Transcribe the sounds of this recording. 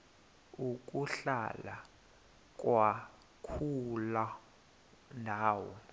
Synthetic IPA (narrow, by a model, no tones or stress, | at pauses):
uk̬ʼuɬala | k̬ʼwa | kʰula | ndʱaːwɔ̰